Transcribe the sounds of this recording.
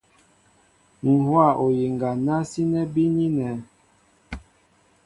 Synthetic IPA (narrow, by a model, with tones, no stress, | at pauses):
ŋ̩˨hwa˦˨ʔo˨je˨ŋɡa˨na˦si˦nɛ˦bi˦ni˦nɛ˨˦